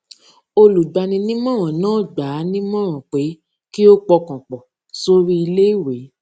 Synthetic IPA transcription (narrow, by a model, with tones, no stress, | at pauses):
o˧lu˨ɡ͡ba˧nĩ˧nĩ˦mɔ̃˦ɾ̃ã˨nãː˦˨ɡ͡ba˨˦nĩ˦mɔ̃˦ɾ̃ã˨k͡pe˨˦ | ki˦o˦k͡pɔ˧kã˨k͡pɔ˨ | so˦ɾi˦i˧le˦i˦˨we˨˦